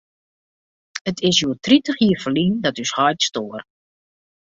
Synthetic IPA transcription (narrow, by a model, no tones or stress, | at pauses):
ətʰɪsjuətritəχiəfəlindɔtyshɔjtstoːər